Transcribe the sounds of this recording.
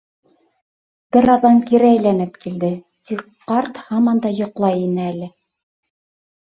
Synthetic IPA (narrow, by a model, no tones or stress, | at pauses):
b̥ɘɾɑðɑŋkiɾæːjlænɘpkild̪ɘ | t̪ik | qːɑɾt̪hɑmɑnd̪ɑjŏqlˠɑjinɘælɘ